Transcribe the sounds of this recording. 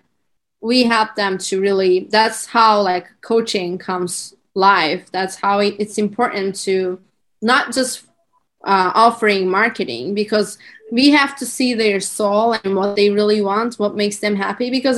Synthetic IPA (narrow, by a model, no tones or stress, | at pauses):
wiɦɛlˠp̚ðə̃mtʰɨɹɪlˠiðætshaʊlaɪkʰːoʊt͡ʃɪ̃ŋkʰʌ̃mz̥ | laɪfðætshaʊɪɾɨtsɨ̃mpʰɔɹʔn̩tʰɨ | nət̚d̥ʒ̥ʌst | ʔʌʔɔfə˞ɪ̃ŋmɑɹkɨɾɪ̰̃ŋbɨkʰʌzwiɦæftʰɨsiðə˞solˠɨ̃nwʌt̪̚ðeɪɹɪlˠiwɑ̃nt̚wʌt̚meɪksðɨ̃mɦæpibɨkʌz